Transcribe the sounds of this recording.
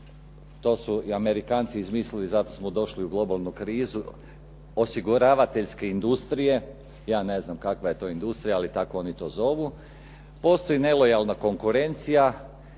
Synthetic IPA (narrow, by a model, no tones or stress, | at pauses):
t̪o̞ːsuiame̞ɾikaːnt̪siizmiːslilizat̪o̞smod̪o̞ʃliuɡlˠo̞balˠnukɾiːzu | o̞siɡuɾaːʋat̪e̞ʎske̞ind̪ust̪ɾije̞ | jaːne̞znamkakʋaje̞t̪o̞ːind̪ust̪ɾijaalit̪akoo̞ːnit̪o̞ːzo̞ʋu | po̞ːst̪o̞jine̞lo̞jalˠnako̞ŋkuɾe̞nt̪sija